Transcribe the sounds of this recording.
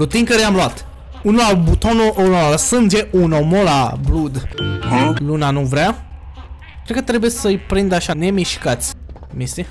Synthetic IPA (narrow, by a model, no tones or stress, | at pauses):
ɾut̪iŋkəɾjamluat̪ | unolabut̪onoʔonolasɨnd͡ʒeʔunomolablud̪ | lunanuvɾea | kɾed̪̚kət̪ɾe̞bujesəjpɾind̪əaʃane̞miʃkat̪sʲ | mist̪i